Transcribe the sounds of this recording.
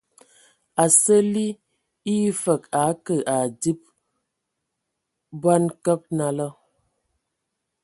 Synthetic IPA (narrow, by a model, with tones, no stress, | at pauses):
a˨sə˦li˦ | i˦fə˨ka˨˦kə˨ʔa˨di˦p̚ | bwa˦nkə˦k̚na˨lə˦